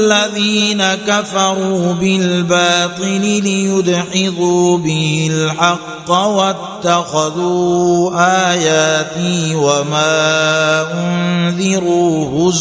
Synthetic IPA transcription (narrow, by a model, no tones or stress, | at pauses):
lːaðiːnakafɑɾˤuːbɪlbaːt̪ˤɨlɪlɪjʊd̪ʕɪðuːbɪhɪlħɑqːwat̪ːaxaðuːʔaːjaːt̪iwamaːʔʊnnðɪɾuːhʊz